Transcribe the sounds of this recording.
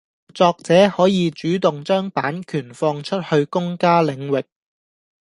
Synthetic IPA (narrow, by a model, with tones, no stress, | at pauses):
t͡sɔː˧k̚t͡sɛː˨˥hɔː˨˥jiː˨˧t͡ʃyː˨˥t̪ʊ˨ŋt͡ʃœː˥ŋpaː˨˥nkʰyː˨˩nfɔː˧ŋt͡ʃʰɵ˥t̚hɵ˧ɥkʊ˥ŋkaː˥lɪ˨˧ŋwɪ˨k̚